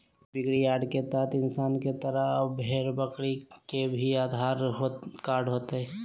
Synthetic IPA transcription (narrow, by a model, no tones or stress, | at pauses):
bɪɡɽijaːɖket̪aːt̪ɪnsaːnket̪əɾəbʱeːɾbəkɽikebʱiaːd̪ʱaːɾɦokaːɾɖɦoːt̪eɦɛ